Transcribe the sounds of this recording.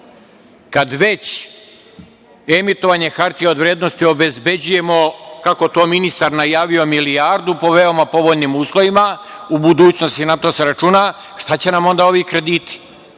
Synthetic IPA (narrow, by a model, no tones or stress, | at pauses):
kad̪ʋe̞t͡ɕ | e̞mit̪o̞ʋaːɲexaɾt̪ijeo̞d̪ʋɾjed̪no̞st̪io̞be̞zbe̞d͡ʑuje̞mo̞kako̞t̪o̞minist̪aɾnajaːʋio̞miliaɾd̪upo̞ʋe̞o̞mapo̞ʋo̞ʎnimuːslˠo̞ʋimaubud̪uːt͡ɕno̞st̪inat̪o̞seɾat͡ʃuːna | ʃt̪at͡ɕe̞namo̞nd̪ao̞ʋikɾe̞d̪iːt̪i̥